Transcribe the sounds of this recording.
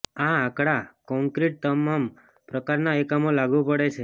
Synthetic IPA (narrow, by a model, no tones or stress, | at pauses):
aakɽakɔ̃ŋkɾiʈ̚t̪əmam | pɾəkaɾnaekamolaɡʋũpəɽet͡ʃʰe